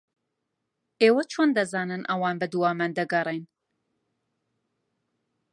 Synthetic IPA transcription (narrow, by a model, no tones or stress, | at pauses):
eːwɐt͡ʃʰoːnd̪ɐzaːnɨnʔɐwaːnbɐd̪uwaːmand̪ɐɡɐrˤejn